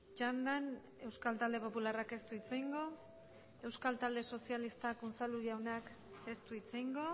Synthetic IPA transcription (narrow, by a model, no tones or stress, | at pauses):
t͡ʃand̪an | e̞wskalt̪ald̪e̞po̞pularake̞st̪uit͡sejŋɡo̞ | e̞wskalt̪ald̪e̞so̞sialist̪akunt͡saluɾawnak | e̞st̪uit͡sejŋɡo̞